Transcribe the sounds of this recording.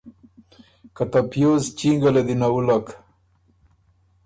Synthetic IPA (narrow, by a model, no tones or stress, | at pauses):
kat̪apjozt͡ʃiŋɡaled̪inaulak